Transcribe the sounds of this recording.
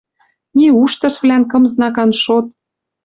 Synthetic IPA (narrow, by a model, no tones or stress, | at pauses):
nʲiuʃt̪ɤ̆ʃvlænkɤ̆mznɑkɑnʃot̪̚